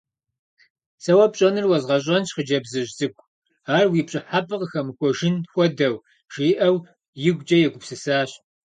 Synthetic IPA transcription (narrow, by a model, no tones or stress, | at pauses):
sɐwɐpɕʼɐnɨrwɐzʁɐɕ̬ʼɐnɕχəd͡ʒɐbzɨʒzʼɨkʷʼ | aːrwiːpɕʼɪħapʰɨqəxɐmɨxʷɔʒɪnxʷɔdɐw | ʒ̥iːʔɐw | jɪɡʷd͡ʒʼɐjɛɡʷʊpsɨsaːɕ